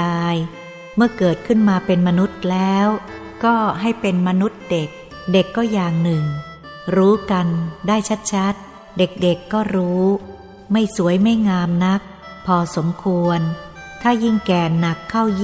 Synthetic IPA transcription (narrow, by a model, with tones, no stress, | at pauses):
aː˧j | mɯ˥˩ɐkɤː˨˩t̪̚kʰɯ˥˩nmaː˧pe˧nma˧nu˦˥t̪̚lɛː˦˥w | kɔː˥˩ɦa˥˩jpe˧nma˧nu˦˥t̪̚de˨˩k̚ | de˨˩kːɔː˥˩jaː˨˩ŋnɯ˨˩ŋ | ɾuː˦˥ka˧ndaː˥˩jt͡ɕʰa˦˥t̪̚t͡ɕʰa˦˥t̪̚ | de˨˩k̚de˨˩kːɔː˥˩ɾuː˦˥ | ma˥˩jsu˩˦əjma˥˩jŋaː˧mna˦˥k̚ | pʰɔː˧so˩˦mkʰu˧ən | t̪ʰaː˥˩ji˥˩ŋkɛː˨˩na˨˩kʰːa˥˩wj